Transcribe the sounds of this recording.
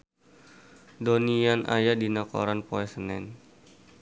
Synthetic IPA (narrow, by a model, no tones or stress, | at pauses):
donianʔa̰jadinakɔ̰ɾanpoɛsənɛn